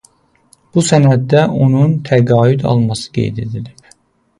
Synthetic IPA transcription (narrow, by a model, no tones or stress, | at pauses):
b̥usænæd̪ːæʔo̞nunt̪ʰæɡɑːjyd̪ɑ̰lˠmɑsɯ̥ɡḛjd̪e̞d̪iliɾ